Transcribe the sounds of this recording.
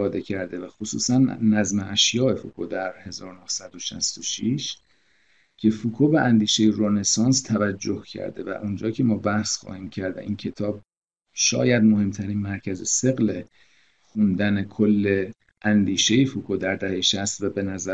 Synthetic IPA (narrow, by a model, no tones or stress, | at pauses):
ɒːd̪e̞cʰæɾd̪e̞væxosṵːsænːæzmeʔæʃjɒːe̞fukʰod̪æɾhe̞zɒːɾonohsæd̪o̞ʃæ̰st̪oʃiʃ | cʰe̞fukʰoːbæʔænd̪iːʃejeɾone̞sɒːnst̪ʰævæd͡ʒːohcʰæ̰ɾd̪e̞væ̰ʔund͡ʒɒːcʰe̞mɒːbæhsxɒ̰ːhiːmcʰæɾd̪æ̰ʔiːncʰe̞t̪ʰɒːb̚ | ʃɒ̰ːjæd̪mohe̞mt̪ʰæɾiːnmæɾcʰæzese̞ɣle | xund̪æne̞kʰolːe̞ | ʔænd̪iːʃe̞jefukʰod̪æɾd̪æhejʃæst̪væbe̞næzæ